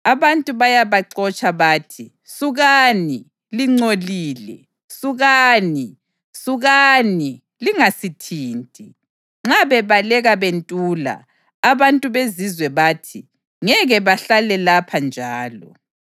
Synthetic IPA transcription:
aβantʼuβajaβaǀɔt͡ʃʼaβaːtʰi | suɣani | liŋ͡ǀoliːlɛ̰ | suɣani | suɣani | liŋasitʰiːntʼi | ŋ͡ǁaβɛβalɛɣaβentʼuːla̰ː | βantʼuβezizwɛβaːtʰi | ŋɛɣɛβaɬalɛlapʰand͡ʒʱaːlɔ̰

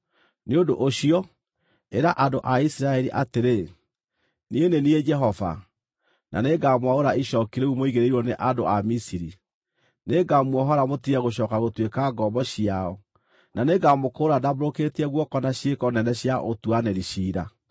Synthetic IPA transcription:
neondo̰ʔoɕiɔ | eɾaʔandoʔaisiɾaɛɾiʔateɾe | nienenied͡ʒɛɦɔva̰ | na̰neɡamwaoɾaiʃɔkiɾeumoiɣeɾeiɾwɔneʔadoʔamisiɾi | neɡamwɔɦɔɾamotiɛɣoɕ̬ɔːkaɣotwekaɡɔmbɔɕiaɔ | naneɡamokoːɾadaboɾokeːtiɛɣwɔkɔnaɕiekɔnɛnɛɕiaʔotuanɛɾiɕiɾa̰

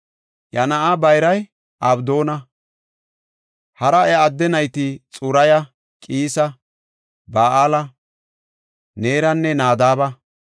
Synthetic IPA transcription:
jɐnɐʔabɐjɾɐj | ʔɐbd̪oːnɐ | hɐɾɐɛɐd̪ːɛnɐjt̪ɪt͡sʼʊɾɐjɐ | kʼiːsɐ | baːʔaːlɐ | ne̞ːɾɐnːɛnaːd̪aːbɐ

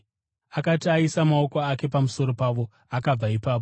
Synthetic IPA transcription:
akatiaisamao̞koake̞pamuso̞ɾo̞paʋo̞ | akab͡vaipaːp̬o

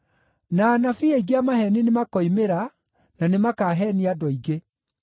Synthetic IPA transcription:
nanafieiɡiamahɛninemakɔimeɾa | nanemakaːɦɛniadɔiɡe

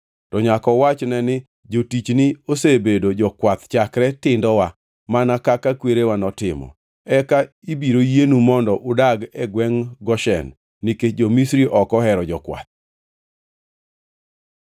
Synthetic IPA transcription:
tɔɲakɔwat͡ʃnɛnɪ | d͡ʒotit͡ʃnɪosebedod͡ʒɔkwat̪t͡ʃakɾɛtɪndɔwa | manakakakweɾewanɔtɪmɔ̰ | ɛka | ibiɾojenumɔndɔʔʊdaɡɛɡwɛŋɡɔʃɛ̰nː | iket͡ʃd͡ʒomisɾiʔɔkɔɦɛɾɔd͡ʒɔkwa̰t̪̚

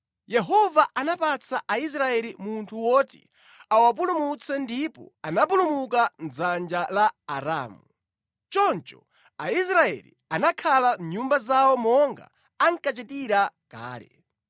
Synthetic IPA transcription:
jɛɦɔvaʔanapat͡sʰaʔais̬ɾaɛlimuntʰuwɔtḭ | awap̬ulumut͡sɛndipɔ̰anap̬ulumukand͡zand͡ʒalaːɾa̰ːmu | t͡ʃɔnt͡ʃɔ | ais̬ɾaɛ̰lḭanakʰalamɲumbazawɔmɔŋɡa̰ | aŋkat͡ʃɛtiɾaka̰ːlɛ̰

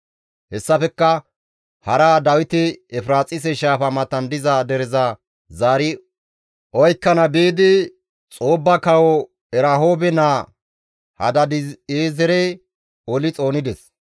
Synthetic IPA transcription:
hɛsːɐfɛkːɐ | hɐɾaːd̪ɐwɪt̪ɪɛfɾaːt͡sʼɪs̬ɛʃaːfɐmɐt̪ːɐnd̪ɪzɐd̪ɛɾɪzɐ | zaːɾɪ | ɔjkːɐnɐbiːd̪ɪ | t͡sʼoːbːɐkɐwɔ | ɛɾɐɦo̞ːbɛnaː | hɐ̰d̪ɐd̪ɪeːzɛɾɛj | ɔlɪt͡sʼo̞ːnɪd̪ɛs

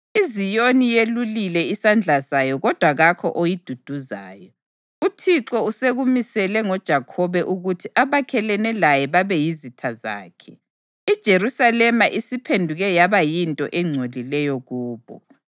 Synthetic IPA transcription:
izijonijelulilɛisand͡ɮʱasajɔɣɔd̥ʱwaɣakʰɔ̰ʔojid̥ʱud̥ʱuza̰ːjɔ | utʰiǁɔuseɣumisɛlɛŋɔd̥ʒ̥ʱakʰɔβɛʔuɣutʰiʔaβakʰɛlɛnɛlajɛβaβɛjizitʰaza̰ːkʰɛ | id̥ʒ̥ʱerusalɛmaʔisipʰendʱuɣɛjaβajintʼɔ̰ʔɛŋ͡ǀʱolilɛjɔɣuːβɔ̰

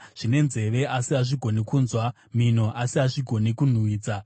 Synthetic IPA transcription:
ʐ̥ine̞nze̞ʋe̞ʔasiaʐiɡʱo̞nekuːnzwa | min̤o̞ʔasiaʐiɡʱo̞nekun̤uwiːd͡za

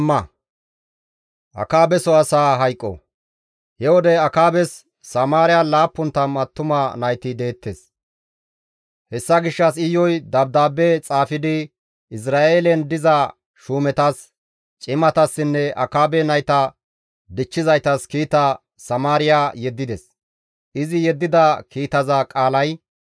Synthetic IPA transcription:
ɐ | ʔɐ̰kaːbɛsɔɐsaːɦɐjkʼːɔ̰ | hɛwɔd̪ɛɐkaːbɛsː | ɐmaːɾɪjalaːpːʊnt̪ːɐmɐt̪ːʊmanɐjt̪ɪd̪e̞ːt̪ːes | hɛsːɐɡɪʃːɐs̬ɪjɔjd̪ɐb̚d̪aːbɛt͡sʼaːfɪd̪ɪ | ɪs̬ɾaːʔeːlɛnd̪ɪzɐ | ʃuːmɛt̪ɐs | t͡ʃʼɪmɐt̪ɐsːɪnːɛʔɐ̰kaːbɛnɐjt̪ɐ | d̪ɪt͡ʃːɪzɐjt̪ɐskiːt̪ːɐ | sɐmaːɾɪjajɛd̪ːɪd̪ɛs | ʔɪzɪjɛd̪ːɪd̪ɐkiːt̪ɐzɐkʼaːlɐj

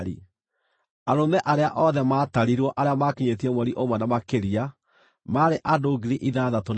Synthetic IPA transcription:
ɾḭ | aɾomɛʔaɾeaʔɔðɛmaːtaɾiɾwɔʔaɾeamakiɲetiɛmwɛɾiʔomwɛnamakeɾia | maɾeʔadoːɡiɾiʔiðaːðaton

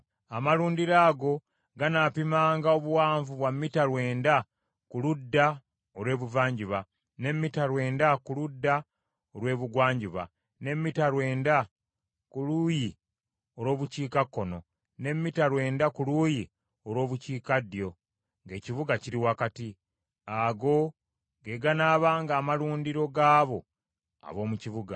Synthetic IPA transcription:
amaluːndiɾaːɡo̞ | ɡanapimaːŋɡao̞βuwaːɱvuβwamːitaɾwe̞ːnda | kuludːa | olwe̞ːβuvaːɲɟuβa | ne̞mːitaɾwe̞ːndakuludːa | olwe̞ːβuɡwaːɲɟuβa̰ | ne̞mːitaɾwe̞ːnda | kuluːji | o̞ɾwo̞ːβuciːkakːono̞ | ne̞mːitaɾwe̞ːndakuluːji | o̞ɾwo̞ːβuciːkadjo̞ | ŋɡe̞ːcivuɡaciɾiwakati | aɡo̞ | ɡe̞ɡanaːβaːŋɡaːmaluːndiɾo̞ɡaːβo̞ | a̰βo̞ːmuciβuɡa̰

